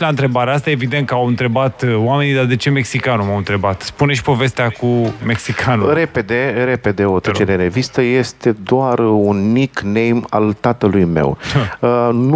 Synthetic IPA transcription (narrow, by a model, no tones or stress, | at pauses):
laɨnt̪ɾe̞baɾeast̪aevid̪e̞nt̪̚kəawɨnt̪ɾe̞bat̪wame̞nid̪ad̪e̞t͡ʃe̞me̞ksikanumawɨnt̪ɾe̞bat̪spune̞ʃi̥po̞ve̞st̪eakume̞ksikʰanuɾe̞pe̞d̪e̞ɾe̞pe̞d̪e̞ot̪ɾet͡ʃeɾeɾe̞vist̪əje̞st̪e̞d̪oarunmiknejma̰lt̪at̪əlujme̞̰wən